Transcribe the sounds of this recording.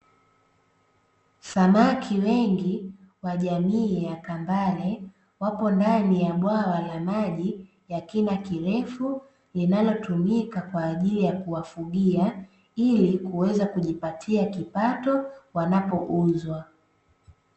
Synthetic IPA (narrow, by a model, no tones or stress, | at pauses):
samakʰiwɛŋɡi | waʄamiːjakambalɛ | wapɔndanijaɓwawalamaʄi | jakinakiɾɛfu | linalɔtumikakwaːʄilijakuwafuɠia | ilikuwɛzakuʄipatʰiakipatɔwanapɔʔuzwa